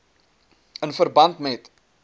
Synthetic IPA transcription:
ənfərbɐntmɛt

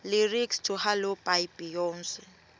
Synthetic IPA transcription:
lɪrikstʰʊhalʊpajpijɔːn̩sɪ

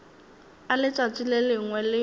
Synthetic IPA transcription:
alɪt͡sʼat͡sʼilelɪŋwɛlɪ

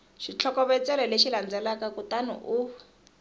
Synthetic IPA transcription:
ʃit͡ɬʰɔkɔβɛt͡sʼɛlɛleʃiland͡zɛlakakutanṵʔuː

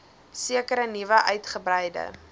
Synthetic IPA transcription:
siəkəɾənivəʔœɥtχəbrɛjdə̰

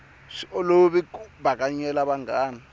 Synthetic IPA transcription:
ʂɔloβikuβakaɲɛlaβaŋɡaːna

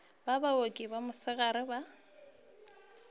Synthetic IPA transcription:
babaokʼɪbamʊsɪɣaɾɪba

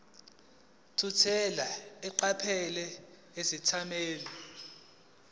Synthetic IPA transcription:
tʰutʰɛlaɛǃapʰɛlɛ | esitʰameːlɔ

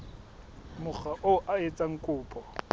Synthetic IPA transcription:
mʊk͡xaʔoʔaet͡sʼaŋ̩kʼʊːpʼɔ

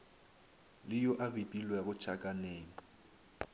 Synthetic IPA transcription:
lɪjoʔabipʼilwɛɣʊt͡ʃʰakʼaneːŋɔ

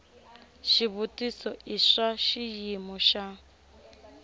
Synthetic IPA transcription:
ʃiβutʼisɔiʂaʃijimɔʃa

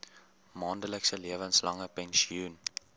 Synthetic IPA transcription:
mɑːndələksəliəvənslɐŋəpɛnsiun

